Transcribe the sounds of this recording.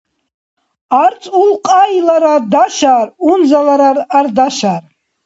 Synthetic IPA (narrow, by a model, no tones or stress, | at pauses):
art͡sʼulqʼajlaɾadaʃarunzalaɾarardaʃaːr